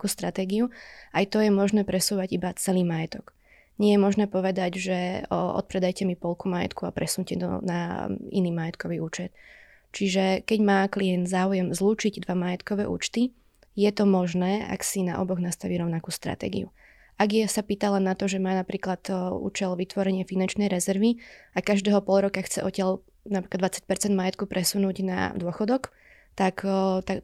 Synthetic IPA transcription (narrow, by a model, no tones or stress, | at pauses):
kuːst̪ɾat̪ɛːɡiuʔajt̪ɔjɛmɔʒnɛːpɾɛsuːʋaɟibat͡sɛliːmajɛt̪ɔk | ɲɪɛjɛmɔʒnɛːpɔʋɛd̪aɟʒɛʔɔ̰t̪̚pɾɛd̪ajcɛmipɔlkuːmajɛ̰t̪kuapɾʔɛsuɲcɛt̪ɔ̰na̰ḭniːmajɛt̪kɔʋiːuːt͡ʃɛt̪̚ | t͡ʃiʒɛkɛɟmaːkliɛnd̪zaːujɛmzluːt͡ʃiɟd̪ʋamajɛt̪kɔʋɛːʔṵːt͡ʃt̪i | jɛt̪ɔmɔʒnɛːa̰ksina̰ʔɔ̰bɔɣnast̪aʋiːɾɔʊnakuːst̪ɾa̰t̪ɛ̰ːɡḭṵ | ʔaɡjɛsapiːt̪alɛnːat̪ɔʒɛmaːnapɾiːklat̪ṵːt͡ʃɛlʋit̪ʋɔɾɛɲɪɛfinant͡ʃnɛjɾɛzɛɾʋiakaʒd̪ɛːɦɔpɔlɾɔkaxt͡sɛ̰ʔɔcɪal | napɾiklad̪ʋat͡sḁc̚pɛɾt͡sɛnd̪majɛt̪̚kupɾʔɛsunuːɟna̰d̪ʊɔxɔd̪ɔk | t̪akt̪a